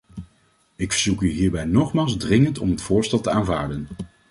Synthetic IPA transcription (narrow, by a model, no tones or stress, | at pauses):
ɪkfə̥ɹzukyɦiːɹbɛjnɔχmaːlˠzdrɪŋəntɔ̰mɦətfʊːɹstɛlˠtəaːnva̰ːɹdən